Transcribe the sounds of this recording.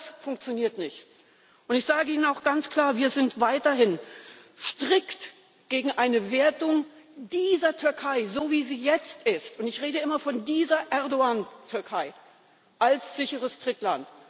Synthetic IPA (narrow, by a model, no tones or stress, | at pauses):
d̥asfʊŋk̚t͡sjoniːɐtnɪçt | ʔʊntɪçz̥aːɡəʔiːnənaʊxɡ̥ant͡skl̥aːɐviːɐzɪntv̥aɪtɐɦɪnʃtʁ̥ɪkt | ɡ̥eːɡŋ̩ʔaɪnəveːɐtʊŋ | d̥iːzɐtʰʏɐkʰaɪzoːviːziːjɛt͡stʔɪstʊntɪçʁeːdəʔɪmɐfɔndiːzɐʔɛɐdoaːntʰʏɐkʰaɪ | ʔalsz̥ɪçəʁəstʁ̥ɪklant